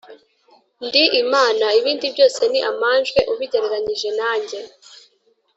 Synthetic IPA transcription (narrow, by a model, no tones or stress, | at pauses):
ndiʔimaːnaiβiːndibɟo̞ːse̞niʔamaːnʒɡwe̞ʔuβiɟeɾeɾaɲiʒe̞naːɲɟe̞